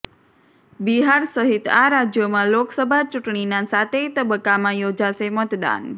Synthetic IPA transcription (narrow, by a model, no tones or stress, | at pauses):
biɦaɾsəɦit̪aɾad͡ʒjomãloksəbʱat͡ʃuʈɳinãsat̪ʰet̪əbəkːamãjod͡ʒaʃemət̪d̪a̰n